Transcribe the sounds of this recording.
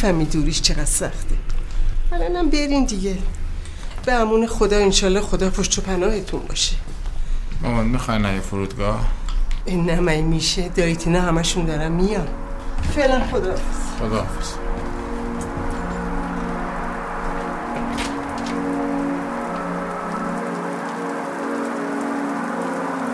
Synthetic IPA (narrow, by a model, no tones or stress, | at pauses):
fæmiːd̪uːɾiʃt͡ʃʰe̞ɡæd̪̥sæxt̪ʰeælɒːnæmbeɾind̪iɟe | b̥eæmuːnexod̪ɒːenʃɒːlːɒːxo̞d̪ɒːpʰoʃt͡ʃ̪opʰænɒːhet̪ʰunbɒ̰ːʃe̥ | mamɔnmixɒjnæjefoɾuːd̪ɡɒhenːæmæjmiːʃed̪ɒːit̪ʰinɒːhæmæʃund̪ɒːɾæmmijɒn | felænxod̪ɒːsxod̪ɒːs